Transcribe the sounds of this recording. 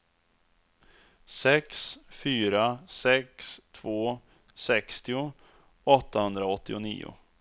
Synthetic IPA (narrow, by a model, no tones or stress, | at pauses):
sɛksfyːɾasɛkst̪ʰv̥oː | sɛkst̪ɪʊ | ɔt̪ːahɵnd̪ɾaɔt̪ːɪʊnḭːʊ̰